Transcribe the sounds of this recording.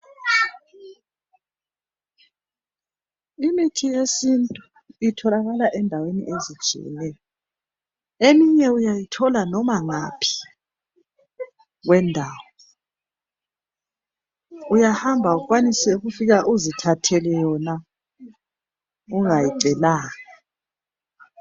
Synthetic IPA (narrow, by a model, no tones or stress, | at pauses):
imitʰijesintʼu | itʰɔlaɣalaʔɛndʱawenḭʔezid̥ʒ̥ʱḭjɛ̰nɛjɔ | emiɲɛujajitʰɔlanɔmaŋapʰi̥ | ɣwɛndʱaːwɔ | ujahambʱaukʼwanisɛuɣufiɣaʔuzitʰatʰɛlɛjɔna | uŋajiǀɛlaːŋa